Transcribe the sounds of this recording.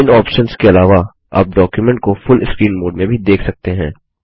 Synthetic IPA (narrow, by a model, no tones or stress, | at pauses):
ɪnɔːpʃənskeɐlaːʋa | a̰ːp̚ɖɔːkjʊmɛ̃ɳʈ̚kofʊlɪskɾiːnboːɖmẽbʱid̪eːkʰsɐk̚t̪eɦɛ̃ː